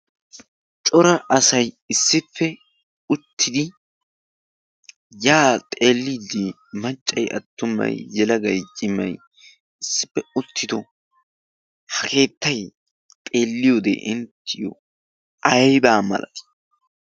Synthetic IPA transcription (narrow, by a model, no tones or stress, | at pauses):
t͡ʃʼɔɾɐʔɐsɐj | ɪsːɪpːɛ | ʊt̪ʰːɪd̪ɪ | jaːt̪ʼe̞ːlːiːd̪ɪ | mɐt͡ʃʼːɐjʔɐ̰t̪ːʊmːɐ̰jːɛlɐɡɐjt͡ʃʼɪmːɐj | ɪsːɪ̥pːɛʊt̪ʰːɪd̪ɔ | hɐkʰe̞ːt̪ːɐj | t̪ʼe̞ːlːɪjod̪ɛ̰ʔɪnt̪ʰːɪjɔ̰ | ɐjbaːmɐ̰lɐ̰t̪